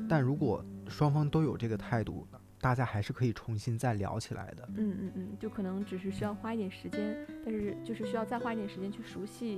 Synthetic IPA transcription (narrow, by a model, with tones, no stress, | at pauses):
t̪a˥˩nɻu˧˥kwɔ˨˩ʂwɑ˥ŋfɑ˥ŋt̪o˥ʊjo˨˩ʊʈ͡ʂɤ˥˩ɡə˩t̪ʰa˥˧ɪt̪ṵ˥˩ | t̪a˥˩t͡ɕja˥xa˧˥ɪʂɻ̩˥˩kʰɤ˧˥i˨˩ʈ͡ʂʰʊ˧˥ŋɕi˥nt͡sa˥˩ɪljɑ̰˧˥ʊt͡ɕʰi˨˩la̰˧˥ɪd̪ə˧n̩˥˩n̩˥˩n̩˥˩t͡ɕjo˥˩ʊkʰɤ˨˩nɤ˧˥ŋʈ͡ʂɻ̩˨˩ʂ̬ɻ̩˥˩ɕy˥jɑ˥˩ʊxwa˥i˥˩t̪jɛ˨˩nʂɻ̩˧˥t͡ɕjɛ˥nt̪a˥˧nʂɻ̩˥˧t͡ɕjo˥˧ʊʂɻ̩˥˩ɕy˥jʊt͡sa˥˧ɪxwa˥i˥˩t̪jɛ˨˩ʂɻ̩˧˥t͡ɕjɛ˥nt͡ɕʰy˥˩ʂu˧˥ɕi˥˩